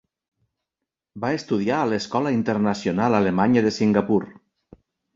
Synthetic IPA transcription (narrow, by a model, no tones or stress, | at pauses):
baest̪uð̞iaːleskɔlaint̪əɾnasjonalalemaɲəðesiŋɡapuɾ